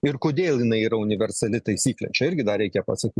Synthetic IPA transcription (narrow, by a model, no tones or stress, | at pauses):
ɪɾkoːd̪ʲeːlˠjɪnɐɪiːɾɐʊnʲɪʋʲɛɾsɐlʲɪt̪ɐɪsʲiːklʲɛ̰t͡ʃʲɛɪɾʲɡʲɪd̪ɐɾʲɛɪkʲɛpɐsɐkʲiːt